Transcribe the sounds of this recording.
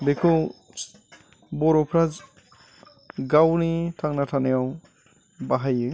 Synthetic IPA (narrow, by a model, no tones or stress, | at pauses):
dekʰu | bɔɾɔpʰɾaz | ɡawnitʰaŋnatʰanejaw | baɦajɯ